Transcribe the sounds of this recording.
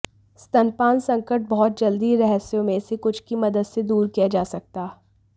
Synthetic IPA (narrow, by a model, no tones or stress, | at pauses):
st̪ɐnpaːnsɐ̃ŋkəʈ̚bɔːt̪̚d͡ʒɐld̪iɾɛɦəsjõmẽsekʊt͡ʃʰkimɐd̪əd̪sed̪uːɾkijad͡ʒaːsɐk̚t̪aː